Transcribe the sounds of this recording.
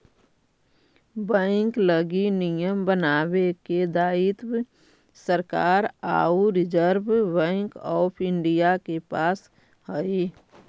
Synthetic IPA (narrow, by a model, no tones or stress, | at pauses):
bɛ̃ɪŋkləɡinijəmbənaːweked̪aːit̪b | səɾkaːɾa̰ːuɾɪd͡ʒəɾbbɛ̃ɪŋkɔːpʰɪɳɖijakepaːs | ɦəi